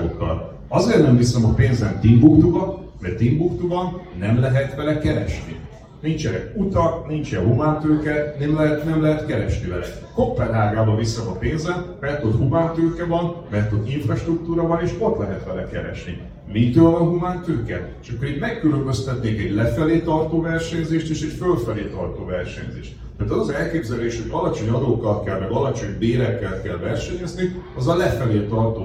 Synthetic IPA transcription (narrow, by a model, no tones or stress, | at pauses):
okːɒ̰l | ɒzeːrnɛmvisɛmɒpeːnzɛnt̪imbukt̪uvɒn | mɛrt̪imbukt̪uvɒnːɛmlɛɦɛt̪ʋɛlɛkɛɾɛʃnḭ | nint͡ʃɛɾɛ̰ut̪ɒknint͡ʃɛɦumaːnt̪øːkɛnɛmlɛɦɛt̪nɛmlɛɦɛt̪kɛɾɛʃnivɛlɛ̰ | kopːɛnːaːɡaːbɒvisɛmɒpeːnzɛnmɛt̪ot̪humaːnt̪øːkɛvɒnmɛɛt̪ot̪iɱfrɒʃt̪ruk̚t̪uːɾɒvɒneːʃo̞t̪lɛɦɛt̪ʋɛlɛkɛɾɛ̰ʃnḭ | mit̪øːlvɒnɦumaːnt̪øːkɛ | ʃɒkːoɾit̪mɛkːylømbø̞st̪ɛt̪neːkɛɟlɛfɛleːt̪ɒrt̪oːvɛrʃɛɲzeːʃt̪eːʃɛcfølfɛleːt̪ɒrt̪oːvɛrʃɛ̰ɲzḛːʃt̪ | ɛːt̪ɒzɒzɛlkeːbzɛleːʃhoɟɒlɒt͡ʃo̞ɲɒd̪oːkːɒlkɛlmɛɡɒlɒt͡ʃo̞ɲd̪eːɾɛkːɛlkɛlvɛrʃɛɲɛzniɒzɒlɛfɛleːt̪ɒrt̪oː